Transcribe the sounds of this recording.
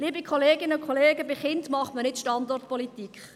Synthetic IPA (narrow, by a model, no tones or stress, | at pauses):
liːbikʰχoleːɡɪnəʊkʰχoleːɡəbɪχɪntmɑχmənɪtʃtɑndɔrtpɔlitikχ